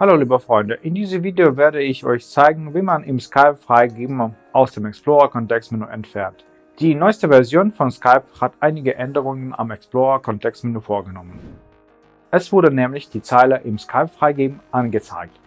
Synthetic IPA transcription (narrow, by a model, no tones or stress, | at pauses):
haloːliːbəfʁ̥ɔʏndəʔɪndiːzəmviːdeoveːɐdəɪçʔɔ̰ʏçt͡saɪɡŋ̩viːmanɪmskʰaɪpfʁ̥aɪɡeːbm̩ʔaʊsd̥eːmɛkspl̥oːʁakʰɔntɛkstminuːʔɛntfɛɐnt | d̥iːnɔʏstəvɛɐzjoːnfɔnskʰaɪphatʔaɪnɪɡəʔɛndəʁ̞ʊŋəna̰mɛksploːʁakʰɔntʰɛkstminuːfoːɐɡənɔmən | ʔɛsv̥ʊɐdənɛːmlɪçd̥iːt͡saɪlɐʔɪmskʰaɪpfʁ̥aɪɡeːbm̩ʔanɡət͡sa̰ɪk̚t